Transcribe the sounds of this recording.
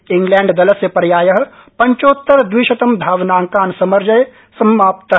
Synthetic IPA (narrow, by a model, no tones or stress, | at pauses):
ɪ̃ŋɡlɛ̃ːɳɖd̪ɐləsjəpɐɾjaːjɐɦ̆ | pɐɲt͡ʃoːt̪ːəɾd̪wiːʃɐt̪ɐmd̪ʱaːʋnaːŋkaːnsɐmɐɾd͡ʒɐj | sɐmaːpt̪